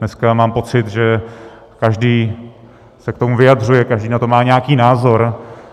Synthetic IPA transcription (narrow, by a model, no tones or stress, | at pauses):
nɛskamaːmpo̞t͡sɪt̪ʒɛ | kaʒdiː | sɛk̚t̪omuvɪjadr̝ujɛkaʒdiːnat̪o̞maːɲɛakiːnaːzo̞ɾ